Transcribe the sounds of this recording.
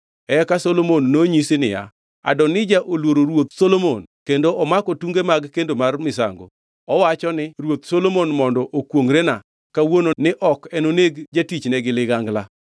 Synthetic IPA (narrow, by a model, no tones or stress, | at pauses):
ɛkasolomonːoɲisɪnɪ̰ja̰ | a̰dɔnɪd͡ʒaʔolwoɾoɾwot̪̚solomonkendoɔmakɔtuŋɡemaɡkendomarmɪs̬a̰ŋɡo̰ | ɔwat͡ʃɔnɪrwot̪solomonmɔndɔʔokwoŋɾena | kawononɪʔɔkɛnoneɡd͡ʒatit͡ʃnɛɡɪlɪɡaŋɡla